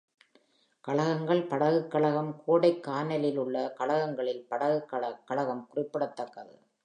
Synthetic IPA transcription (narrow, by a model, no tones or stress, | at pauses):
kɐɭɐɣɐŋɡɐɭpɐɽɐɣɯkːɐɭɐɣɐmkʰoːɽɐɪkːaːnɐlɪlʊɭːɐkɐɭɐɣɐŋɡɐɭɪlpɐɽɐɣɯkːɐɭɐkːɐɭɐɣɐmkʊrɪpːɪɽɐt̪ːɐkːɐðɯ̰